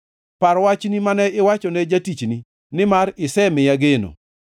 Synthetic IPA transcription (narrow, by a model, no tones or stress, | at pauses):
paɾwat͡ʃnimanɛɪwat͡ʃɔnɛd͡ʒatit͡ʃni | nɪmaɾɪsɛmɪjaɡeno̰